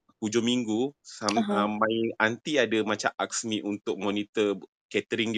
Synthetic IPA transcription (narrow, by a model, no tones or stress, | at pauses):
kud͡ʒomiŋɡusamãjant̪iadamat͡ʃaʔaksmiʔunt̪ʊk̚mɔnit̪ə | kɛt̪əɾiŋ